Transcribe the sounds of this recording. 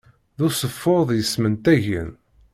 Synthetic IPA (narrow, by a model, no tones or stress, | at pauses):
ðusəfːoðˤjəsmənt̪æʝə̰n